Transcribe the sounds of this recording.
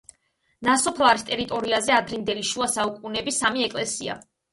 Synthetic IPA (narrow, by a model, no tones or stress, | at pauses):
nasɔpʰlˠaɾist̪ʼɛɾit̪ʼɔɾiazɛad̪ɾind̪ɛliʃuasaukʼunɛbisamiɛkʼlɛsia̰